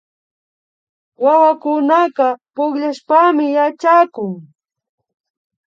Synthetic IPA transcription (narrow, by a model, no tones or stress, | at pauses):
wawakʊnaqɑpʊkʎaʃpamɪjat͡ʃakʊŋ